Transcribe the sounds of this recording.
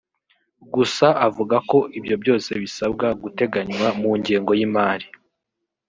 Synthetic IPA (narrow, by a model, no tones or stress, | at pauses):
ɡusaʔavuɡako̞ʔibjo̞bjo̞ːse̞βisabɡaɡute̞ɡaɲwamuːɲɟeːŋɡo̞jimaːɾi